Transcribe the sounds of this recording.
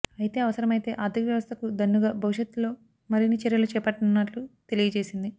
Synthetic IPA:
ɐjt̪e̞ːɐʋɐsɐɾɐmɐjit̪e̞ːʔaːd̪ʱikʋjɐʋɐst̪ʰɐkud̪ɐnːuɡaːbʱɐʋuʃjɐt̪ːlo̞ː | mɐɾinit͡ʃɛɾjɐlut͡ʃɛːpɐʈːɐnːɐʈlut̪e̞lijɐt͡ʃe̞ːsind̪i

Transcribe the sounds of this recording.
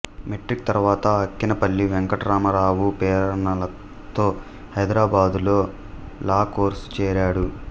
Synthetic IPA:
meʈɾik̚t̪ɐɾʋaːt̪ɐːkːinɐpɐlːiʋɛŋkɐʈɐɾaːmɐɾaːwupɛːɾɐnɐlɐ | t̪o̞ː | hɐjd̪ɾaːbaːd̪ulo̞ː | laːko̞ːɾst͡ʃɛːɾaːɽu

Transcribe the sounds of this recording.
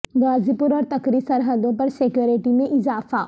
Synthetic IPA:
ɡaːzipʊɾɔːɾt̪ɐkɾisɐɾɦəd̪õpɐɾsekjoːɾeʈimẽʔɪzaːfaː

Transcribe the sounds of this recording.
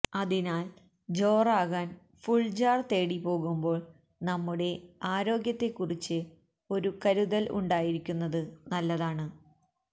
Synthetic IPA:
ɐðinaːl | d͡ʑo̞ːraːɣaːn | fuɭd͡ʑaːrt̪e̞ːɽipo̞ːɣumbo̞ːɭ | nɐmːuɽe̞aːɾo̞ːɡjɐt̪ːe̞kːurit͡ɕːɨ | o̞ɾukɐɾuðɐlʔṵɳɖaːjiɾikʲːunːɐðɨnɐlːɐðaːɳɨ

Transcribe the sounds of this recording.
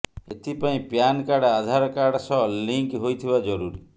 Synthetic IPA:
et̪ʰipaĩpjankaɽad̪ʱaɾɔkaɽsɔɦliŋkɦojt̪ʰibad͡ʒɔɾuɾi

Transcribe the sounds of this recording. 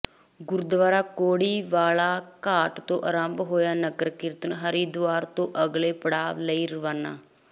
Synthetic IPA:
ɡʊɾd̪ʋaːɾaːkoːɽiːʋaːlaːkaːʈt̪õːʔəɾaːmbɦoːjaːnəkəɾkɪɾt̪ənɦəɾiːd̪ʊaːɾt̪õːʔəɡleːpəɽaːʋləiːɾəʋaːna̰ː

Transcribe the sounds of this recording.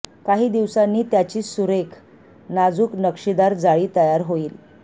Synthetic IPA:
kaɦiːd̪iʋsanːiːt̪jat͡ɕiːsuɾekʰ | nad͡zuːknəkʂid̪aɾd͡zaɭiːt̪əjaɾɦoiːl

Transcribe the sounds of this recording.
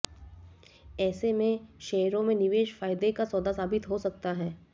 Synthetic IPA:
ɛːsemẽʃɛːɾõmẽnɪʋeːʃfaːjd̪ekasɔːd̪asaːbɪt̪ɦosɐk̚t̪aɦɛː

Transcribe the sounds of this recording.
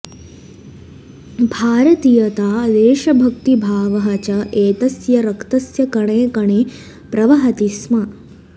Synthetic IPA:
bʱaːɾɐt̪ijɐt̪aːd̪eːʃɐbʱɐkt̪ibʱaːʋɐɦɐt͡ʃɐʔeːt̪ɐsjɐɾɐkt̪ɐsjɐkɐɳeːkɐɳeː | pɾɐʋɐɦɐt̪ismɐ

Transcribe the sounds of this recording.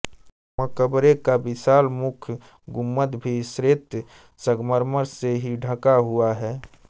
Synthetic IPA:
məkəbɾekabɪsaːlmʊkʰ | ɡʊmːət̪bʱisɾeːt̪ | səɡməɾməɾseɦiɖʱəkaɦuaɦɛː

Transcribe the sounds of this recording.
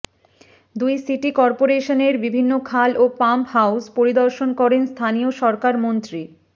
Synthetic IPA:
d̪ujsiʈikɔɾpoɾeʃoneɾbibʱinːokʰalopamphawspoɾid̪ɔɾʃonkɔɾenst̪ʰanioʃɔɾkaɾmont̪ɾi

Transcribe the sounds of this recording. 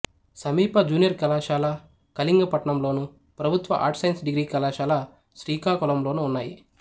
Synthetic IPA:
sɐmiːpɐd͡ʒuːnijɐɾkɐlaːʃaːlaː | kɐliŋɡɐpɐʈɐɳɐmlo̞ːnu | pɾɐbʱut̪ʋɐʔa̰ːɾʈsɐjnsɖiɡɾiːkɐlaːʃaːlaː | ʃɾiːkaːkulɐmloːnuunːaːji

